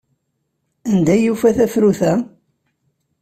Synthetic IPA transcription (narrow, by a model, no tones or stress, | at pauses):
ænd̪æjufæθæfɾuθæ